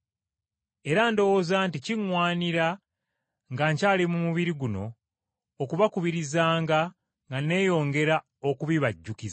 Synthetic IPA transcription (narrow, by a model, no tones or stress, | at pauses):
e̞ɾando̞wozaːnticiŋwaːniɾa | ŋɡaːɲcaːlimumuβiɾiɡuno̞ː | kuβakuβiɾizaːŋɡa | ŋɡane̞ːjo̞ːŋɡe̞ɾa | o̞kuβiβaɟːukiza